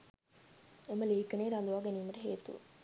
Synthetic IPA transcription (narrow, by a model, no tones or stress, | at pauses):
eməleːkɐneːɾand̪uʋaːɡeniːmɐʈeɦeːt̪ṵ